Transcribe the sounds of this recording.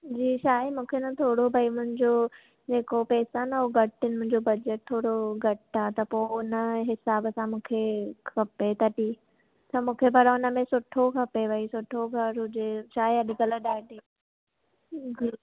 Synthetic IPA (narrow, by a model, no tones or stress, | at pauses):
d͡ʑiːʃaːemũːkʰenɐt̪ʰoːɽobʱɐimʊ̃ɦɪ̃ɲd͡ʑo | d͡ʑeːkopɛːsanɐoɡʱɐʈɪnɪ̃̆mʊ̃ɦɪ̃ɲd͡ʑobɐd͡ʑəʈ̚t̪ʰoːɽoɡʱɐʈat̪ɐpoʊnəɦɪsaːbəsãmũːkʰekʰɐpet̪ɐʈiː | t̪ɐmũːkʰepɐɾaʊnə̆mẽsʊʈʰokʰɐpebʱɐisʊʈʰːoɡʱɐɾʊd͡ʑeʃaːeɐɗɪkələɗaːʈi | ɡ